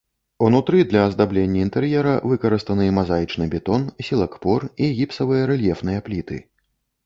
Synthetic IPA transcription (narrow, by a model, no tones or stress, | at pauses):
unut̪ɾɨd̪lʲɐːzd̪ablʲenʲːɐint̪ɛɾjɛɾɐvɨkɐɾɨst̪ɐnɨmazajit͡ʂnɨbʲɛt̪ɔnsʲilˠɐkpɔriɣʲipsɐvɨjɐɾɛlʲjɛfnɨjɐplʲit̪ɨ̰